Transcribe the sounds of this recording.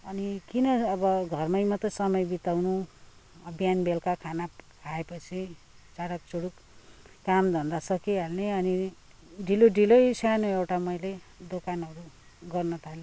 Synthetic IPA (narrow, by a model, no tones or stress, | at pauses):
ʌnikinʌʌbʌɡʱʌrmʌjmat̪ʌsʌmʌjbit̪awnu | ʌbʱijanbelkakʰanakʰaepʌt͡sʰi | t͡saɽʌk̚t͡soɽukː | amd̪ʱʌnd̪asʌkiɦalneʌni | ɖʱiloɖilʌjsʰanoewʈamʌjled̪okanɦʌɾu | ɡʌrnʌt̪ʰale